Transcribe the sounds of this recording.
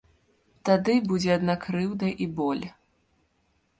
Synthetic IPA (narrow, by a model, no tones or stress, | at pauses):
t̪ad̪ɨbud͡zʲɛad̪nakɾɨwd̪ɐʔibɔlʲ